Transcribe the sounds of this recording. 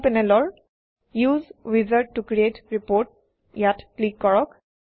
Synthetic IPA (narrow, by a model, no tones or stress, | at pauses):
pɛnɛlɔɹ | juzwizəɹʈ̚ːukɹietɹipoɹt̚ | jatplikkɔɹɔk